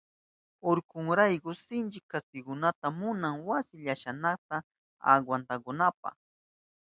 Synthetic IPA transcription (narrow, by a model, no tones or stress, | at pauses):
oɾkʊŋɾajkʊsɪnt͡ʃɪkːast̪ɪɡʊnat̪amʊnaŋwasɪʎaʃanaχt̪a | a̰ɡwant̪akʊnap̚ɑ̰χ